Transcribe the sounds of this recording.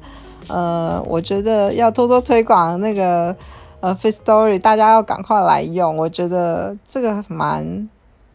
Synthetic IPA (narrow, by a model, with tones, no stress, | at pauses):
ə˧wʔɔ̰˨˩t͡ɕɥɛ˧˥d̪ə˧jɑ˥˩ʊt̪ʰo˥t̪ʰwɔ˥t̪ʰwe˧˥ɪkwɑ˨˩ŋna˥˩ɡə˩ | ə˧fe˥ɪst̪ɔ˥ɹi˨˩t̪a˥˩t͡ɕja˥jɑ˥˩ʊka̰˨˩ŋkʰwa˥˩ɪla̰˧˥ɪjʊ˥˩ŋwɔ˨˩t͡ɕɥɛ˧˥d̪ə˧ʈ͡ʂɤ˥˩ɡə˩ma˧˥n